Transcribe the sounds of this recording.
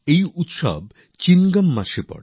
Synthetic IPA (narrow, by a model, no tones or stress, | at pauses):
ejut̪ʃɔ̰b | t͡ɕinɡamːaʃepɔ̰ɽ